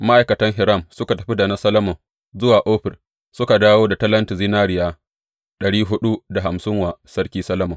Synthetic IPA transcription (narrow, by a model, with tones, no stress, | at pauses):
ma˦ʔa˨jkɐ˨tɐ˦ŋɦɪ˨ɾɐ˦˨msʊ˦ka˨tɐ˨ɸi˦da˨na˦sɐ˦lɐ˦mɔ˨ | zʊ˦waː˨ʔoː˦ɸɪ˨r | sʊ˦ka˨daː˦woː˦da˨tɐ˦lɐ˦ntɪ˨zi˦naː˦ɽɪ˨jaː˦ | ɗɐ˨ɽiː˦ɦʊ˦ɗu˦da˨ɦa˨msɪ˦ŋwaː˨sɐ˦ɽkʲiː˦sɐ˦lɐ˦mɔ˨